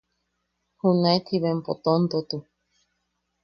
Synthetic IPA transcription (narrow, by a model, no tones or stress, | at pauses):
hunãet̪ʰiβempot̪ont̪ot̪u